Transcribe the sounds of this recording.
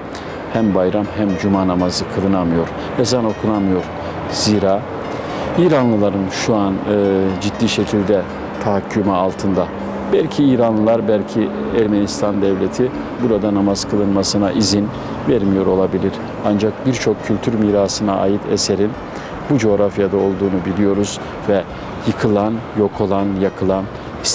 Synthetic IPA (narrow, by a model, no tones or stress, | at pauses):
hæmbajɾamɦæmd͡ʒumaːnamazɯkʰɯlˠɯnamɯjo̞ɾ | ɛzano̞kʰunamɯjo̞ɾ̥ | z̥iːɾaː | iːɾanlˠɯlˠaɾɯnʃuanɯd͡ʒit̪ːiːʃecʰilʲd̪ɛ | t̪ʰaɦacʰːymaːlˠt̪ʰɯnd̪a | bɛælʲcʰiiːɾanlˠɯlˠaɾbælʲcʰi | æɾmenist̪ʰand̪ɛvlʲet̪ʰi | buɾad̪anamaz̥kʰɯlˠɯnmasɯnaʔizin | vɛɾmijo̞ɾo̞lˠabilʲiɾ̥ | and͡ʒak̚biɾt͡ʃʰo̞kcʰːylʲt̪ʰyɾmiːɾaːsɯnaa̰ːjit̪ʰḛseɾin | bud͡ʒo̞ːɾafjad̪ao̞lˠd̪uːnubilʲijo̞ɾuz̥ | vɛ | jɯkʰɯlˠanjo̞kʰo̞lˠanjakʰɯlˠan